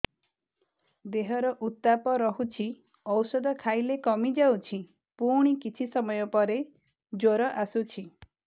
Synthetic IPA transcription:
d̪eɦɔɾɔʔut̪ːapɔɾɔɦut͡ʃʰi | ɔwsɔd̪ɔkʰajlekɔmid͡ʒawt͡ʃʰi | puɽ̃ikit͡ʃʰisɔmɔjɔpɔɾe | d͡ʒoɾɔʔasut͡ʃʰi

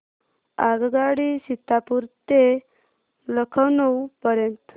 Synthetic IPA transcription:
aɡɡaɽisit̪ːapuɾt̪e | ləkʰəwnəwpəɾjənt̪

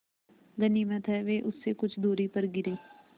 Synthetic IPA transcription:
ɡəniːmət̪ɦɛːʋeːʔʊsːekʊt͡ʃʰd̪uːɾiːpəɾɡɪɾeː

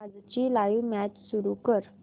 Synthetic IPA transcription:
ad͡zt͡ɕilajʋmæt͡ɕsuɾukəɾ

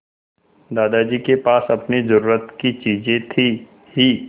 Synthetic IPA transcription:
d̪aːd̪ad͡ʒiːkepaːsɐpnezɐɾuːɾət̪kit͡ʃiːzẽt̪ʰi | hiː

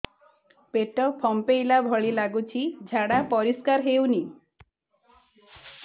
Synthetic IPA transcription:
peʈɔpʰɔmpejlabʱɔɭilaɡut͡ʃʰid͡ʒʱaɽapɔɾiskaɾɦewni

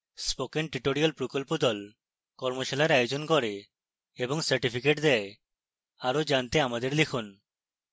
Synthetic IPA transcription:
spokenʈɾiʈoɾijalpɾokolpod̪ɔl | kɔɾmoʃalaɾajod͡ʒonkɔɾe | ebɔŋsaɾʈipʰikeʈd̪ɛe | aɾod͡ʒant̪eamad̪eɾlikʰun

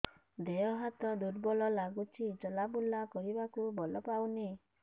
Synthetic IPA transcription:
d̪ejɔɦat̪ɔɖudbɔlɔlaɡut͡ʃʰid͡ʒɔlabulːakɔɾibakubɔlɔpawne

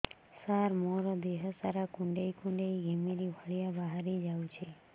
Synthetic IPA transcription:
saɾmoɾɔd̪eɦəsaɾakũɳɖeikũɳɖeiɡʱemiɾibʱəɭijabaɦaɾid͡ʒawt͡ʃʰe

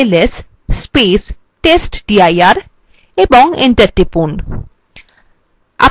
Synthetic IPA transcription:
les | spes | ʈesʈɖiajaɾ | ebɔŋḛɳʈəɾʈipun | a̰

